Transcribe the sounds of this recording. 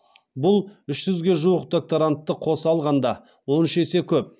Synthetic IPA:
bʊlˠʏʃsʏzɡʲe̞ʒuwəqd̪o̞k̚t̪oɾant̪ːəqʰo̞səɑlˠʁɑnd̪ɑ | wo̞nʏʃe̞se̞kʲʰɵp̚

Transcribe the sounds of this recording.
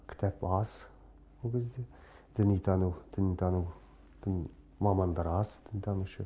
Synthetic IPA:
kʲʰɪ̥t̪ʰæpɑz | wolˠkʲʰezd̪e | d̪̥ənijt̪ʰɑnuwd̪̥ənijt̪ʰɑnuw | d̪̥ən | mɑmɑnd̪ɑɾɑzd̪̥ənijt̪ʰɑnuʃə

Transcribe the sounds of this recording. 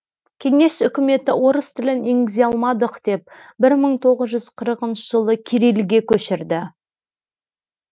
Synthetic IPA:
kʲʰe̞ŋe̞sʏkʲɪme̞t̪ɪwo̞ɾəst̪ʰɪlɪneŋɡɪzeɑlˠmɑd̪əqd̪̥e̞p̚bɪɾməɴt̪ʰo̞ʁəzʒʏz̥qʰəɾəqənʃəʒəlˠəkʲʰeɾelɡʲe̞kʲʰɵʃɪɾd̪ɪ

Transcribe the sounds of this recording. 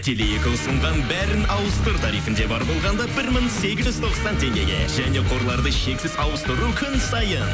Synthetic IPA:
t̪ʰe̞lejekʲɪnʊsəɴʁɑnbæɾɪnɑwəst̪oɾt̪ʰɑɾijfɪnd̪e̞bɑɾbo̞lˠʁɑnd̪ɑbɪɾmɪŋse̞ɡʲɪzʒʏzt̪ʰo̞ʁəzɑnt̪ʰe̞ŋɡʲe̞̰ɡʲe̞̰ʒæne̞qʰo̞ɾlˠɑɾd̪əʃe̞kʲsɪz̥ɑwəst̪əɾukʲʰʏnsɑjən

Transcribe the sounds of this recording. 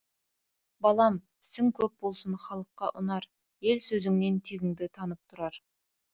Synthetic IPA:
bɑlˠɑm | sɪŋkʲʰɵp̚bo̞lˠsənχɑlˠəqːɑʔʊ̰nɑɾ | je̞lsɵzɪŋne̞nt̪ʰeɡʲɪŋd̪ɪt̪ʰɑnəp̚t̪ʰʊɾɑɾ

